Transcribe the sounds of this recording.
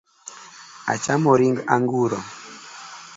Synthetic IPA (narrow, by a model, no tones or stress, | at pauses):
a̰t͡ʃamɔɾiŋɡaŋɡuɾɔ